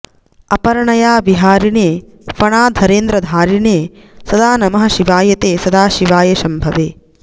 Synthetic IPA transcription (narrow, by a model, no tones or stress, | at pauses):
ɐpɐɾɐɳɐjaːʋiɦaːɾineː | pɐɳaːd̪ʱɐɾeːnd̪ɾɐd̪ʱaːɾineːsɐd̪aːnɐmɐɦɐ̆ʃiʋaːjɐt̪eːsɐd̪aːʃiʋaːjɐʃɐmbʱɐʋeː